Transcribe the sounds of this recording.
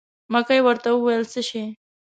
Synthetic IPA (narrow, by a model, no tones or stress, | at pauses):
makajwəɾt̪auwajəlsəʃe